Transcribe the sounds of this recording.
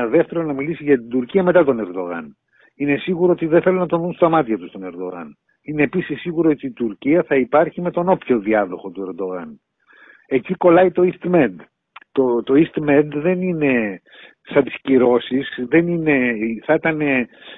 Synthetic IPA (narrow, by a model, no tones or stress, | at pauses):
ðe̞ft̪e̞ɾonɐmilisiʝɐt̪ind̪uɾciɐme̞t̪ɐt̪o̞ne̞ɾd̪o̞ɣɐ̰n | ine̞siɣuɾoot̪iðe̞nθe̞lonɐt̪o̞nðunst̪ɐmɐt̪çɐt̪ust̪o̞ne̞ɾd̪o̞̰ɣɐ̰n | ine̞ːpisisːiɣuɾoot̪iːt̪uɾciɐθɐipɐɾçime̞t̪o̞no̞pço̞ðiɐðo̞̰xo̞t̪ue̞ɾd̪o̞ɣɐn | e̞ciko̞lɐit̪o̞ist̪mend̪ | t̪ot̪o̞ist̪mend̪ðe̞nine̞ | sɐnt̪i̥sciɾo̞sisðe̞nine̞θɐit̪ɐne̞